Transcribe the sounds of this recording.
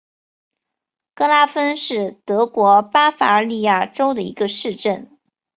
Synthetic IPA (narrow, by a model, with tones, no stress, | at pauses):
kɤ˥la˥fə˥nʂɻ̩˥˩t̪ɤ˧˥kwɔ˧˥pa˥fa˧˥ə˞˧li˥˧ja˥˩ʈ͡ʂo˥ʊd̪ə˨ḭ˧˥ɡə˧ʂɻ̩˥˧ʈ͡ʂə˥˩n